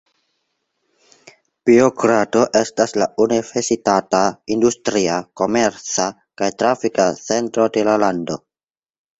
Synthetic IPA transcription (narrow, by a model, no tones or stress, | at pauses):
b̥ioɡkɾato̞ʔe̞staslaunive̞ɾsitataindustɾiako̞meɾt͡sa | kajtɾafikat͡se̞ntɾo̞de̞lalando̞